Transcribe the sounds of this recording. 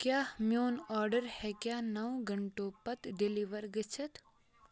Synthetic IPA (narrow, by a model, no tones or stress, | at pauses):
kjaːmjoːnɔːɾɖəɾhɛkjaːnɐwɡɐɳʈõpɐt̪ɖɪliʋəɾɡət͡ʃʰət̪